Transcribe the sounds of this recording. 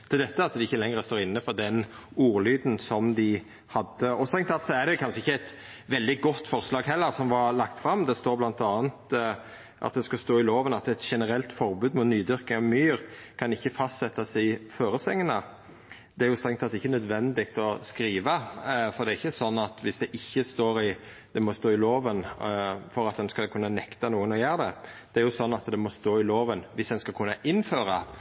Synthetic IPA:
d̪̥ʰɛld̪ɛt̪ːəɑt̪d̪ɛɪçːəlɛŋɾəst̪oːɾɪnːəfɔd̪ɛnuːɾlyːd̪n̩sɔmd̪ɪ | hɑd̪ːəɔst̪ʁɛŋt̪ʰɑt̪sɔæɾɖɛʊkʰɑnʂəɪçːəæɪt̪ | ʋɛld̪ɪɡɔt̪ːfɔʁslɑːɡɦɛlːəɾsɔmʋɑɾlɑkt̪fɾɑmd̪ɛst̪oːɾblɑnt̪ɑːnt̪ | ʔɑ̰t̪̚d̪ɛskɑst̪oːɪloːʋənɑt̪ɛt̪ʃɛnəɾɛlt̪fɔɾbʉːd̪mut̪nyːd̪ʏɾkɪŋɑʋmyːɾkʰɑnɪçːəfɑst̪sɛt̪ːɑsɛɪɪføːɾəsɛŋːənə | d̪ɛæɾjʊst̪ɾɛŋt̪ɑt̪ɛɪçːənœd̪ʋɛnd̪ɪɡt̪ɔskɾiːʋəfɔɾd̪ɛɾɪçːəsɔnːɑt̪ʋɪsd̪ɛʔɪçːəst̪oːɾɪ | d̪̥ɛmɔst̪oːɪloːʋənfɔɾɑt̪̚d̪ɛnskɑlkʰʉnːənɛkt̪ɑnuːənɔjæːɾd̪ɛd̪̥ɛæɾjʊsɔnːɑt̪d̪ɛmɔst̪oːɪloːʋənʋɪsd̪ɛnskɑlkʰʉnːɑʔɪnːføːɾɑ

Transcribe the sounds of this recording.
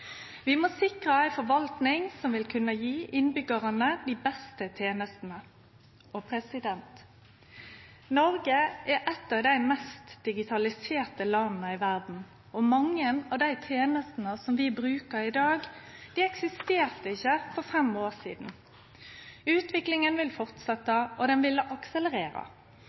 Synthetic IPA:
ʋɪmosɪkʁəæɪfɔʋɑlt̪nɪŋsɔmʋɪlkʰʉnːəjiːʔɪnbʏɡəʁənəd̪iːbɛst̪ət̪ʰjeːnəst̪n̩ə | ɔpʰʁɛsɪd̪ɛnt̪ | nɔɾɡəʔɛʔɛt̪ːɑʋd̪æɪmɛst̪d̪̥ɪɡɪt̪ʰɑlɪseːʁt̪əlɑnnəɪʋæʁd̪n̩ | ɔmɑŋːənɑʋd̪æɪt̪ʰjeːnəst̪n̩əsɔmʋɪbɾʉːkəɾɪd̪ɑːɡd̪̥iːɛksɪst̪eːʁt̪əɪçːəfɔʁfɛmoːʁsḭːd̪n̩ | ʉːt̪ʋɪklɪŋənʋɪlfɔʁt̪sɛt̪ːəʔɔd̪ɛnʋɪlːəʔɑksələʁeːɾə̰

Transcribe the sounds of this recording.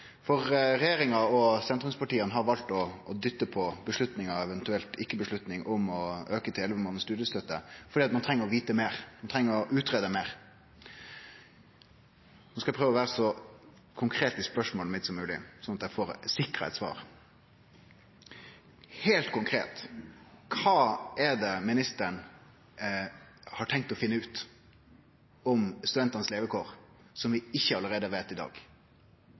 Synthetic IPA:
fɔʁɾɛjeːɾɪŋɑɔsɛnt̪ɾʊmspɑʈiːənəɦɑɾʋɑlt̪ɔːd̪ʏt̪ːəpʰɔbəʂɭʉt̪nɪŋɑʋɛʋɛnt̪ʉɛlt̪ɪkːəbəʂɭʉt̪nɪŋʔʊmɔøːkət̪ʰɪlɛlʋəmɑːnəst̪ʉːd̪jəst̪œt̪ːəfɔɾɖiːɑt̪mɑnt̪ʰʁɛŋːəɾɔʋiːt̪əmeːʁmɑnt̪ʰɾɛŋːəɾɔʔʉːt̪ʁeːd̪əmeːʁ | nɔskɑɛpʰʁøːʋɔʋæːʁəsɔ | kʰʊŋkʰɾeːt̪ɪspœʂmoːləmɪt̪sɔmːʉːlɪ̰sɔnɑt̪jæɪfoːɾsɪkɾəɛ̰t̪sʋɑ̰ːɾ | heːlt̪kʰʊŋkʰɾḛːt̪kʰɑːɛd̪ɛmɪnɪst̪əɳ | hɑʈʰɛŋk̚t̪ɔfɪnːəʉːt̪ | ɔmst̪ʉd̪ɛnt̪ɑnəsleːʋəkʰoːʁ | sɔmʋɪɪçːəɑləɾeːd̪əʋeːt̪ɪd̪ɑ̰ːɡ

